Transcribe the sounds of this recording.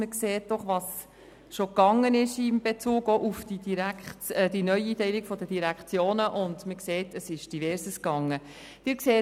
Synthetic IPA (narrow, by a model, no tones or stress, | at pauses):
məkseːt̚d̥ɔχʋɑs | ʃokɑŋːənɪʃimb̥et͡suːɡoʔufd̥idiɾækːd̥inœʏiːtɛɪlikfɔdəd̥iɾækχt͡sjoːnəʔʊndməkseːtəsɪʃd̥ivɛːɾsəskɑŋːə | d̥ɪɾkseː